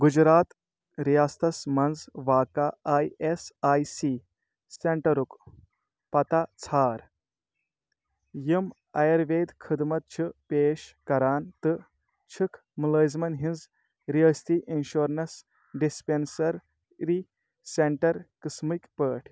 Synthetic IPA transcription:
ɡud͡ʒɾaːt̪ | ɾijaːst̪ɐsmɐnd͡zʋaːkaaːjesaːjsi | seɳʈɐɾuk | pɐt̪at͡sʰaːɾ | jim | ɐjɐɾʋeːd̪kʰɨd̪mɐt̪̚t͡ʃʰɨpeːʃkɐɾaːnt̪ɨ | t͡ʃʰɨkʰ | mɨləːzmɐnɦinz | ɾiəːst̪iʔinʃoːɾnɐs | ɖispensɐɾ | ɾi | seɳʈɐɾkɨsmikpəːʈʰ

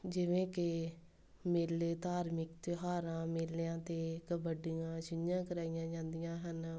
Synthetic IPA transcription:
d͡ʒɪʋẽːkɪ | meːlːeːt̪aːɾmɪkt̪ɪɦaːɾãːmeːleãːt̪eːkəbəɖɪjãːʃɪnjãːkəɾaːijãːd͡ʒãːnd̪ɪjãːɦən

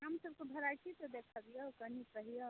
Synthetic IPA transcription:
ɦamsəb̚kebʱəɾajt͡ʃʰit̪ɔd̪ekʰabijokənikəɦijɔ

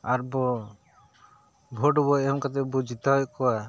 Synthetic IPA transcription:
aɾbɔ | bʱɔʈbɔjɛmkat̪̬ɛbud͡ʒʱit̪awɔkɔwa

